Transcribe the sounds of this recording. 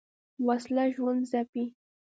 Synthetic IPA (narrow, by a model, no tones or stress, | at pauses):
waslaʒwand̪zapi